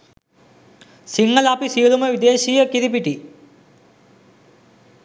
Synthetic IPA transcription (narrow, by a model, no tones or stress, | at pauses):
siŋːɐlaːpisijlumɐʋid̪eːɕiːjɐkiðipiʈːi